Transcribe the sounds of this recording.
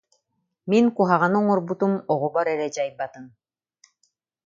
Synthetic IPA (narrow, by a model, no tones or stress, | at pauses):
miŋkuɦaʁanɯŋɔɾbut̪umɔʁɔbɔɾɛɾɛd͡ʑajbat̪ɯm